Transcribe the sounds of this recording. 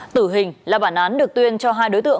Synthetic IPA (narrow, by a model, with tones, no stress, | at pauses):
t̪ɨ˧˩ɦï˨˩ŋ̟laː˨˩ɓaː˧˩nʔaː˨˦nɗɨ˨˩ək̚t̪wi˧ənt͡ɕɔ˧ɦaː˧jɗo˨˦jt̪ɨ̰˧˨